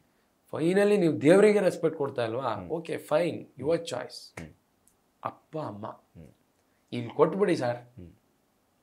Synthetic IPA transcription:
fʰɐjnɐliniːʋud̪eːʋɾiɡeɾespek̚ʈ̚koɽt̪aːjɐlʋaːoːkeːfʰɐjnjuʋaɾt͡ʃɔ̰ːjs | ɐ̰pːaɐmːa̰ | ilːkoʈːbiɽisaːɾ

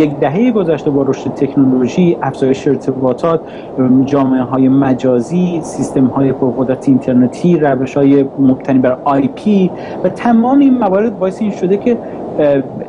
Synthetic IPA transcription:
jekd̪æɦe̞jeɡo̞zæʃt̪e̞bɒːɾo̞ʃt̪et̪ʰe̞kʰnolo̞ʒiːʔæfz̥ɒːjeʃeːɾt̪ʰe̞bɒːt̪ʰɒːt̪̚ʰ | d͡ʒɒːmeeɦɒːje̞mæd͡ʒɒːziːsist̪e̞mhɒːje̞pʰoɾɣod̪ɾæt̪ʰeint̪ʰe̞ɾnet̪ʰiːɾæve̞ʃhɒːjemob̥̚t̪ʰæniːbæɾɒjpʰi | væt̪ʰæmɒːmeinmævɒːɾe̞d̪̚bɒːjeseiːnʃo̞d̪e̞cʰe̞

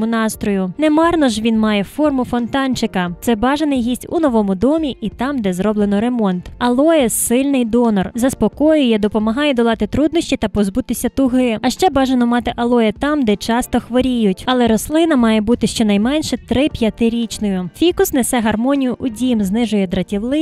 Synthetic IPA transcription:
mʊnɑst̪ɾɔjʊnɛmɑrnɔʒʋʲinmɑjɛfɔrmʊfɔnt̪ɑnt͡ʃɪkɐt̪sɛbɑʒenɪjɦisʲtʲṵnɔʋɔmʊd̪ɔmʲiʔit̪ɑmd̪ɛzɾɔblˠenɔɾe̞mɔnt̪ɐlˠɔjɛssɪlʲnɪjd̪ɔnɔrzɐspɔkɔjʊjɛd̪ɔpɔmɐɦɑjɛd̪ɔlˠɑt̪ɪt̪ɾud̪nɔsʲt͡ʃʲit̪ɐpɔzbut̪ɪsʲɐt̪ʊɦɪɐʃt͡ʃɛbɑʒenɔmɑt̪ɪʔɐlˠɔjɛt̪ɑmd̪ɛt͡ʃɑst̪ɔxʋɔɾʲijʊtʲɐlˠɛɾɔslˠɪnɐmɑjɛbut̪ɪʃt͡ʃɔnɐjmɛnʲʃɛt̪ɾɪpʲjɐt̪ɪɾʲit͡ʃnɔjʊfʲikʊsnɛsɛɦɐrmɔnʲijʊʔʊdʲimznɪʒʊjɛd̪ɾɐtʲiʋlˠɪ

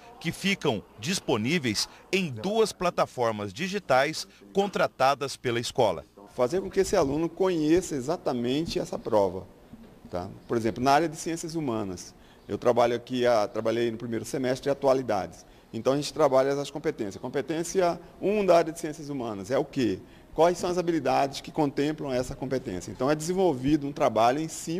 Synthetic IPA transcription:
kɪfikɐ̃w̃d͡ʒisponivejsẽj̃d̪uɐsplat̪afɔɾmɐzd͡ʒiʒit̪ajskõnt̪ɾat̪ad̪ɐspelɐɪskɔlɐ̰fazeɾkõkɪesɪalũnʊkõɲesɐezat̪ɐmẽnt͡ʃɪɛsɐpɾɔvɐ̰ | t̪a̰poɾezẽmplʊnɐaɾjɐd̪ɪsiẽsiɐzumɐ̃nɐs | ḛwt̪ɾabaʎʊakiat̪ɾabaʎejaijnʊpɾimejɾʊsemɛst̪ɾɪat̪ualid̪a̰d͡ʒɪs | ẽnt̪ɐ̃w̃aʒẽnt͡ʃɪt̪ɾabaʎɐɛsɐskõpet̪ẽsjɐkõpet̪ẽsiɐũd̪ɐaɾiɐd̪ɪsiẽsjɐzumɐ̃nɐzɛʊke | kwajsɐ̃w̃ɐzabilid̪ad͡ʒɪskɪkõnt̪ẽmplɐ̃w̃ɛsɐkõpet̪ḛ̃sijɐḛ̃t̪ɐ̃w̃ɛd̪ɪzẽvowvid̪ʊũt̪ɾabaʎʊẽj̃sĩ

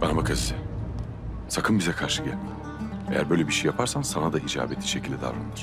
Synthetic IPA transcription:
banmbakʰazɛ | sakʰɯnbizɛkʰaɾʃɯ̥kalma | ejæɾbø̞jlʲɛbiʃejːapʰaɾsansanad̪aid͡ʒa̰ːbet̪ʰʲːiʃecʰilʲd̪ʲɛd̪a̰vɾand̪ɯɾ̥

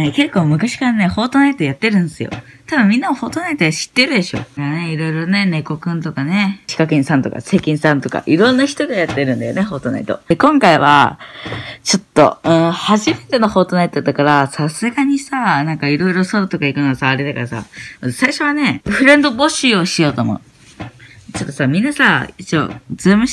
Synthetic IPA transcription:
neke̞kːo̞ːmɯ̟kaɕi̥kaɾane̞ho̞ːt̪o̞nait̪ojat̪ːe̞ɾɯ̟̃nd̪esɨijo̞̰ | t̪abɯ̟̃mːʲĩnːaoho̞ːt̪onait̪oeɕi̥t̪ːe̞ɾɯ̟d̪e̞ɕo̞̰aɾneiɾo̞iɾo̞ne̞ne̞ko̞kɯ̟̃nt̪o̞kane̞t͡ɕi̥kakẽnsãnt̪oka̰se̞kʲĩɰsãnt̪o̞ka̰ʔiɾõ̞nːaçi̥t̪oɡojat̪ːe̞ɾɯ̟̃nd̪ajo̰neɦo̞ːt̪o̞na̰it̪o̞̰kõ̞ŋkaiβa̰ | t͡ɕo̞t̪ːo̞̰ɯ̟̃ɰhaʑime̞t̪e̞no̞ho̞ːt̪o̞nait̪o̞d̪akaɾasasɨɡaɲ̟isanãŋkaiɾo̞iɾo̞sod̪ot̪o̞kaikɯ̟noɡasaːɾe̞d̪akaɾasa̰masaiɕo̞βane̞ɸɯ̟ɾẽnd̪o̞bo̞ɕɨoɕijo̞ːt̪omo̰ | t͡ɕo̞t̪ːo̞samʲĩnːasait͡ɕo̰zemɯ

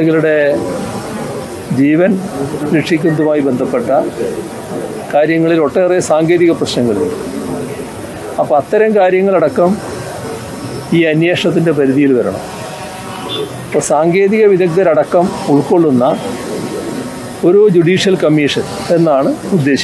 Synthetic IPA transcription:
eŋɡiluɽe̞ | d͡ʑiːʋɐnɾekʂikʲːund̪umaːjibe̞nd̪ʱɐpːe̞ʈːɐ | kaːɾjɐŋːɐɭilo̞ʈːeːrijɐsaːŋɡe̞ːðiɣɐprɐɕnɐŋːɐɭuɳɖɨ | ɐpːoːɐt̪ːɐɾɐmkaːɾjɐŋːɐɭɐɽɐkːɐm | iːɐnjeːʂɐt̪̬ːinde̞pɐɾiðijilʋɐɾɐ̰ɳɐ̰m | ɐpːoːsaːŋɡeːðiɣɐʋiðɐk̚t̪ɐɾɐɽɐkːɐmuɭko̞ɭːunːɐ | o̞ɾud͡ʑuɽiːʂijɐlkɐmːiːʂɐn | e̞nːaːɳɨud̪ːe̞ːɕi̥

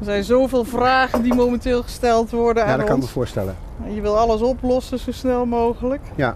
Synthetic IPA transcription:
əɹzɛjnzowvɪːlˠvraːɣəndimoːməntɪːlˠχə̥stɛlˠtʋɔɹdənaaːdkːɑnməvʊːɹstɛ̰lə̰n | ɛnjəʋɪlˠɑləsɔplɔsəzowsnɛlˠmowɣələkja

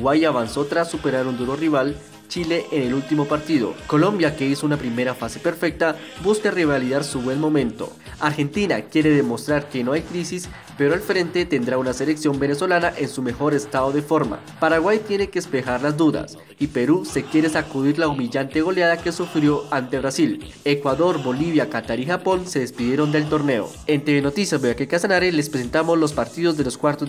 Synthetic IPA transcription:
wajaβanso̞t̪ɾasːupe̞ɾaɾund̪uɾo̞riβal | t͡ʃile̞ʔːne̞lult̪imo̞paɾt̪iðo̞̰ko̞lo̞mbjake̞iso̞unapɾime̞ɾafase̞pe̞ɾfe̞k̚t̪abuskareβaliðaɾsuβwe̞nmo̞mẽ̞nt̪o̞ | aɾxe̞nt̪ina̰kje̞ɾe̞ðe̞mo̞st̪ɾaɾke̞no̞ajkɾisis | pe̞ɾoalfɾe̞nt̪e̞t̪e̞nd̪ɾaunase̞leksjo̞mbene̞swo̞lanaʔe̞nsume̞xo̞ɾe̞st̪aðo̞ðe̞fo̞ɾma̰ | paɾaɣwajt̪je̞neke̞ːspe̞xaɾlazd̪uða̰s | ipe̞ɾuse̞kje̞ɾe̞sakuðiɾlaumiʝant̪e̞ɣ̞o̞lejaðake̞sufɾjo̞ant̪e̞βɾasil | e̞kwaðo̞ɾbo̞liβjakat̪aɾixapo̞nse̞ðe̞spiðje̞ɾo̞nd̪e̞lt̪o̞ɾne̞o̞̰ | e̞nt̪eβeno̞t̪isjazboakekasanaɾelespɾes̬e̞nt̪amo̞zlo̞spaɾt̪iðo̞zd̪e̞lo̞skwaɾt̪o

